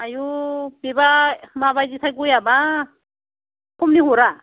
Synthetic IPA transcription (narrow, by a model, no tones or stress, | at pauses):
ajubebamaβajditʰajɡujaba | kʰɔmniɦɔɾa